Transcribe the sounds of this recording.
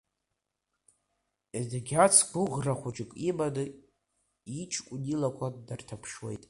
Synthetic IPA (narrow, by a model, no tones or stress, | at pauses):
idɡʲat͡sʰɡʷʊʁraχʷʊt͡ʃʼɪkʼibadɨ | it͡ʃʰkʷʼnilakʷʰadartʰapʰʂwḛjtʼ